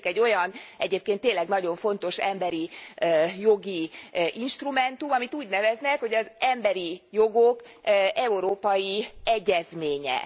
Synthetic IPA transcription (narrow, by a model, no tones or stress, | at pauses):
kɛɟːo̞jɒnɛɟeːp̚keːnt̪ːeːnlɛɡnɒɟo̞ɱfo̞nt̪o̞ʃɛmbɛɾi | jo̞ɡiʔinʃt̪rumɛnt̪umɒmit̪uːɟnɛvɛznɛkho̞ɟɒzɛmbɛɾijo̞ɡok | ʔɛuɾoːpɒjiɛɟːɛzmeːɲɛ̰